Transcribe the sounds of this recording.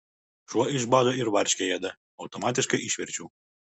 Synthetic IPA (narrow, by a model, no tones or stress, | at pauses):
ʃuɔɪʃbɑd̪oɪɾʋɐɾʲʃʲkʲɛjɛd̪ɐ | ɐʊt̪ɔmɑt̪ʲɪʃkɐɪʔiʃʲʋʲɛɾʲt͡ʃʲuː